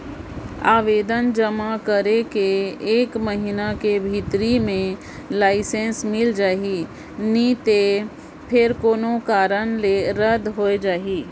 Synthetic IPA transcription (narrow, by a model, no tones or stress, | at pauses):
aːʋeːd̪ənd͡ʒəmakəɾekeːkməɦinakebʱit̪ɾimẽ | laːɪsẽːnsmɪld͡ʒaːɦi | nit̪e | pʰɪɾkoːnõkaːɾənleɾəd̪ɦoed͡ʒaːɦiː